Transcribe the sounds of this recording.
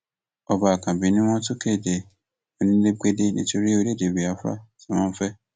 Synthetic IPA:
ɔ˨ba˨kã˨bĩ˨˦nĩ˦w̃ɔ̃˦tʊ˦kʰe˦˨de˨ | o˨nĩ˦le˦ke˦de˦˨nĩ˦to˦ɾi˦o˦de˦˨de˨bi˨a˨˦fa̰˦˨tʰi˨w̃ɔ̃˦n̩˦fɛ˦

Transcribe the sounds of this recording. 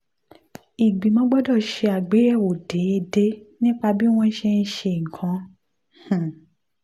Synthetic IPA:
i˨ɡ͡bĩ˨mɔ̃˨˦ɡ͡bɔ˦dɔ˦˨ʃe˧a˨ɡ͡be˨˦ɛ˦˨wo˨de˨˦e˧de˦nĩ˦k͡pa˧bi˦w̃ɔ̃˦ʃe˧n̩˦ʃe˧i˨kã˨˦ | hũ˨

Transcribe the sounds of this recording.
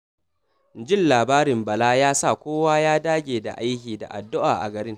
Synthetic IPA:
d͡ʒɪ˦˨nlaː˨baː˦ɾɪ˨mbɐ˨laː˦jaː˦sa˦˨kʷoː˦waː˦jaː˦daː˦ɡʲeː˨da̰˨ʔa˦jkʲiː˨da̰˨ʔa̰˨dːʊ˦ʔaː˨ʔa̰˨ɡɐ˨ɾɪ˦ŋ

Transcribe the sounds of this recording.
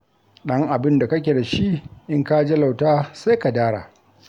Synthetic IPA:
ɗɐ˦ŋʔa˨bɪ˦nda˨kɐ˦k̬ʲe˨da˨ʃi˦ʔɪ˦ŋka˦d͡ʒe˦la˨wtaː˦sa˦jka˨daː˦ɽa̰ː˨

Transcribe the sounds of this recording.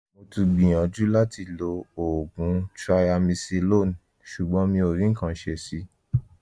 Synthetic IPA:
mo˧tu˧ɡ͡bĩ˨j̃ã˨d͡ʒu˦la˦ti˧lo˧o˨ɡũ˨˦tɾa˧ja˧mĩ˧se˧lo˦˨n˨ | ʃu˨ɡ͡bɔ̃˨˦mĩ˧o˨ɾĩ˦ŋ̩˦kã˨˦ʃe˧˦si˧˦

